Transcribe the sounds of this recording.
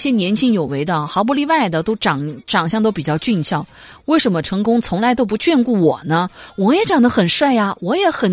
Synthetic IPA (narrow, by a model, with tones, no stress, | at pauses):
ɕjɛ˥nʲjɛ˧˥nt͡ɕʰi˥ŋjo˨˩ʊwe˧˥ɪd̪ə˧˨xɑ˧˥p̬u˧˥li˥˧wa˥˩ɪd̪ə˩t̪o˥ʊʈ͡ʂɑ˨˩ŋʈ͡ʂɑ˨˩ŋɕjɑ˥˧ŋt̪o˥ʊpi˨˩t͡ɕjɑ˥˧ʊt͡ɕy˥˧nɕʰjɑ˥˩ŋwe˥˩ɪʂə˧˥nmə˧ʈ͡ʂʰɤ˧˥ŋkʊ˥ŋt͡sʰʊ˧˥ŋla˧˥ɪt̪o˥ʊp̬u˧˥t͡ɕɥɛ˥˧nku˥˩wɔ˨˩nə˦wɔ˨˧˥jɛ˨˧˥ʈ͡ʂɑ˨˩ŋd̪ə˦xə˨˩nʂwa˥˩ɪa˩wɔ˧˥jɛ˧˥xə˨˩n